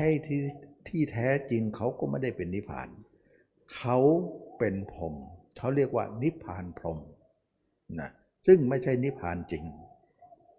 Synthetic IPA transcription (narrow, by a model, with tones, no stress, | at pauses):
a˧˥˩jt̪ʰi˧˩t̪ʰiː˥˩t̪ʰɛː˦˥t͡ɕi˧ŋkʰa˦˥wkɔː˥˩ma˥˩jda˥˩jpe˨nːi˦˥pʰa̰ː˨˩n | kʰa˦˥wpe˨˧npʰo˨˧˩mk̪ʰa˧˥˩wɾi˥˩ək̚wa̰ː˧˩ni˦˥pʰːaː˨˧˩npʰlo˧m | na̰˧˦˩ | sɯ˥˩ŋma˥˩jt͡ɕʰa˥˩jni˦˥pʰːa̰ː˨nt͡ɕi˧ŋ